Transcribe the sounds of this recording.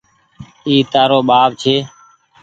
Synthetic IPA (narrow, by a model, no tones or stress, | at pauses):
iːt̪aːɾoːɓaːbt͡ʃʰeː